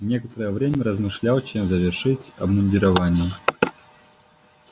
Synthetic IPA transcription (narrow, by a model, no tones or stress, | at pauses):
vnʲekət̪əɾəjəvɾʲemʲəɾəzmɨʂlʲalˠt͡ɕemzəvʲɪrʂɨtʲɐ̰bnʊnʲdʲɪɾɐvanʲɪjə